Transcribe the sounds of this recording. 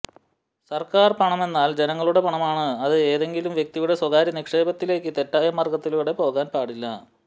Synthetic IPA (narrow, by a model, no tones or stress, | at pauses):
sɐrkaːrpɐɳɐme̞nːaːld͡ʑe̞nɐŋːɐɭuɽe̞pɐɳɐmaːɳɨɐðɨe̞ːðe̞ŋɡilumʋjek̚t̪ijuɽe̞swɐɣaːɾjɐnikʂe̞ːbɐt̪ːile̞ːkʲːɨt̪e̞tːaːjɐmɐrɡɐt̪ːiluːɽe̞po̞ːɣaːnpaːɽilːɐ